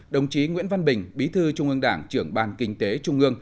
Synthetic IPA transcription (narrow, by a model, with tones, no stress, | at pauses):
ɗə˨˩wŋ͡mt͡ɕi˨˦ŋwḭ˧˥ənva˧nɓï˨˩ŋ̟ɓi˨˦t̪ʰɨ˧t͡ɕʊ˧ŋ͡mʔɨ˧əŋɗa̰ː˧˩ŋt͡ɕɨ˧˩əŋɓaː˧˩nkï˧ŋ̟t̪e˨˦t͡ɕʊ˧ŋ͡mʔɨ˧əŋ